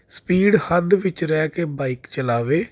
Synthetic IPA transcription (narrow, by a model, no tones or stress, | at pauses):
spiːɖhənd̪ʋɪt͡ʃɾɛːkeːbaːikt͡ʃəlaːʋeː